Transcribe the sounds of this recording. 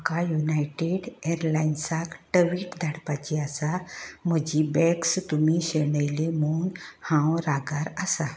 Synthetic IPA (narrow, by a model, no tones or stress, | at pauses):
kajunajʈeɖeɾlainsakʈəʋiːʈd̪ʱaɽpat͡ɕiasam̤əd͡ʑibɛkst̪umiɕeɽəjlemuːnhãwɾaɡaɾasa